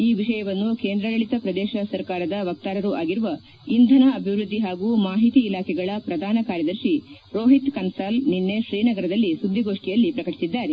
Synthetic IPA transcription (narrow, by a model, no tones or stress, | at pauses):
iːʋiʂɐjɐʋɐnːukeːnd̪ɾɐɡɐɭit̪ɐpɾɐd̪ɛːʃɐsɐɾkaːɾɐd̪ɐʋɐk̚t̪aːɾɐɾuʔaːɡiɾuʋɐ | ind̪ʱɐnɐɐbʱiʋɾud̪ʱːiɦaːɡuːmaːɦit̪iːlaːkʰɛɡɐɭɐpɾɐd̪ʱaːnɐkaːɾjɐd̪ɐɾʃi | ɾoːɦit̪kɐnsaːlninːe̞ʃɾiːnɐɡɐɾɐd̪ɐlːisud̪ʱːiɡoːʂʈijɐlːipɾɐkɐʈi̥sid̪ːaːɾe